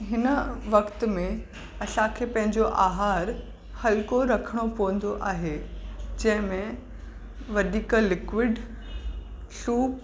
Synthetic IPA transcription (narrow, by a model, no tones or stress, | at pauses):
ɦɪnəʋɐkt̪̆mẽ | ɐsãkʰeːpɐ̃ɦɪ̃ɲd͡ʑoʔaːɦaːɾ | hɐlkoɾɐkʰəɽ̃opɐʋə̃n̆d̪oʔaːɦed͡ʑɐ̃ɦɪ̃mẽ | ʋɐd̪iːkəlɪkʋɪɖ | ɬuːp